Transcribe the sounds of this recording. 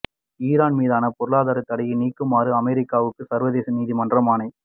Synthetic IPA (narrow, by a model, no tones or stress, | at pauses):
iːɾaːnmiːðaːnɐpɔɾɯlɭaːðaːɾɐt̪ːɐɽɐjɪniːkːɯmaːɾɯɐmɛɾɪkːaːʋɯkːɯsɐɾʋɐðeːsɐniːðimɐndrɐmaːnɐɪ